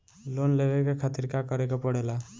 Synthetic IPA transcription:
lonlebekekʰat̪iɾkakɔɾekɔpɔɽela

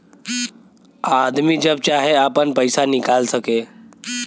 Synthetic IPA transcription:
ad̪miːd͡ʑəb̚t͡ɕaɦeapəɳpəjsanikalsəke

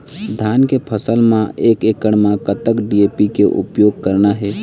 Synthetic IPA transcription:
d̪ʱaːnkepʰəsəlmãeːkeːkəɽ̃mãkət̪əkɖiepikeʔʊ̰pjoːɡ̚kəɾnaɦɛː

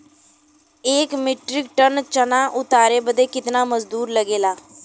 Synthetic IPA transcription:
eːkmɪʈɾɪk̚ʈənt͡ʃənaʔʊt̪aːɾeːbəd̪eːkɪt̪naːməzd̪uːɾləɡeːlaː

